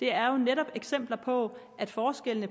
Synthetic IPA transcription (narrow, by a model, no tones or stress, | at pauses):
d̥e̝æɐjo̝neɾɒ̽b̥eɡ̥sem̰b̥lɐpʰɒ̽ʔæd̥fɒːsɡ̥elənə